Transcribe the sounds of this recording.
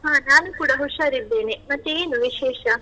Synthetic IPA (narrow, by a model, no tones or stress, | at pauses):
ɦãːnaːnukuːɽɐɦoʂaɾid̪ːeːnemɐtːeeːnuʋiʃeːʂɐ